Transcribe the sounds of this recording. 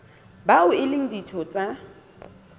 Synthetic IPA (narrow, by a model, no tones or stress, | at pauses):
baʊɪlɪŋ̩ditʰɔt͡sʼa